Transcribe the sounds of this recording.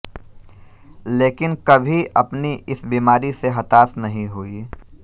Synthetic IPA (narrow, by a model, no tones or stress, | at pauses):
leːkɪnkɐbʱiʔɐpniʔɪsbiːmaːɾiseɦɐt̪aːsnɐɦĩɦui